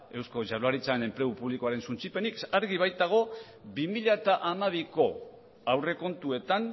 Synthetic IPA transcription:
e̞wsko̞ʝalaɾit͡saene̞mpɾe̞upuβlikoaɾe̞nsunt͡sipe̞nikaɾɣiβ̞ajt̪aɣ̞o̞ | bimiʎat̪aʔamaβ̞iko̞ | awre̞ko̞nt̪ue̞t̪an

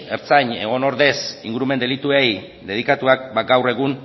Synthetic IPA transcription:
eɾt͡saɲe̞ɣ̞o̞no̞ɾðe̞sḭŋɡuɾume̞nd̪e̞lit̪ue̞j | d̪e̞ðikat̪uak̚baɡawre̞ɣ̞un

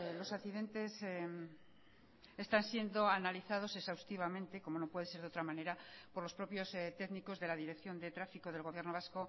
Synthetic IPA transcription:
lo̞saθiðe̞nt̪e̞s | est̪ansje̞nd̪o̞analiθað̞o̞se̞ksawst̪iβ̞amẽ̞nt̪eko̞mo̞no̞pwe̞ð̞e̞se̞ɾðeo̞t̪ɾamane̞ɾapo̞ɾlo̞spɾo̞pjo̞st̪e̞ɣniko̞zðe̞laðiɾekθjo̞nd̪e̞t̪ɾafiko̞ð̞e̞lɣ̞o̞β̞je̞ɾnoβasko̞

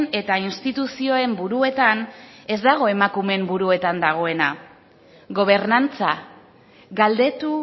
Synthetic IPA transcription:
ne̞t̪ainst̪it̪usio̞e̞mbuɾue̞t̪ane̞zd̪aɣ̞o̞e̞makume̞mbuɾue̞t̪and̪aɣ̞o̞e̞na | ɣo̞β̞e̞ɾnant͡sa | ɣald̪e̞t̪u

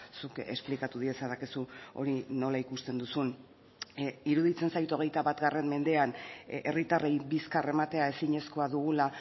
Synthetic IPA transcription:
suke̞̰splikat̪uðiesaðakesuo̞̰ɾino̞laikust̪e̞nd̪usun | iɾuðit͡se̞nsajt̪o̞ɣ̞e̞jt̪aβat̪ɡare̞mme̞nd̪e̞ane̞̰rit̪arejbiskare̞mat̪e̞ae̞siɲe̞sko̞aðuɣ̞ula

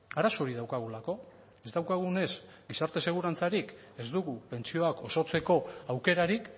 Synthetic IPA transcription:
aɾaso̞ɾiðawkaɣ̞ulako̞ | e̞zd̪awkaɣ̞une̞s | ɡisaɾt̪e̞se̞ɣ̞uɾant͡saɾik | e̞zd̪uɣupe̞nt͡sio̞ako̞so̞t͡se̞ko̞awke̞ɾaɾik

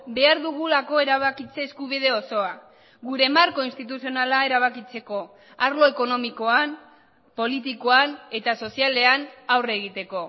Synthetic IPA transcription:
be̞aɾðuɣ̞ulako̞e̞ɾaβ̞akit͡se̞ːskuβ̞iðe̞o̞so̞a | ɣuɾe̞maɾko̞inst̪it̪̬usio̞nalae̞ɾaβ̞akit͡se̞ko̞ | aɾlo̞e̞ko̞no̞miko̞an | po̞lit̪ikoane̞t̪aso̞siale̞anawre̞ɣ̞it̪e̞ko̞

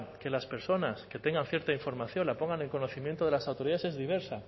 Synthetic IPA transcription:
ke̞laspe̞ɾso̞naske̞t̪e̞ŋɡanθje̞ɾt̪aiɱfo̞ɾmaθjo̞nlapo̞ŋɡane̞ŋkono̞θimjent̪oðe̞lasawt̪oɾiðaese̞zðiβ̞e̞ɾsa

